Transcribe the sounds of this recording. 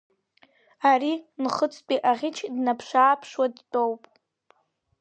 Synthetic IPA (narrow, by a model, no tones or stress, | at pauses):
aɾinχət͡sʼpʼiʔaʁʲɪt͡ʃʰdnapʰʂaːpʰʂwadtʼowpʼ